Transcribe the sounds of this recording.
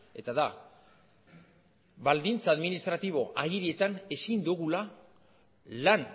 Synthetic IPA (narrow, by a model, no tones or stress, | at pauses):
e̞̰t̪aða | βald̪int͡saðminist̪ɾat̪iβ̞o̞ʔaɣiɾie̞t̪ane̞sind̪uɣula | lan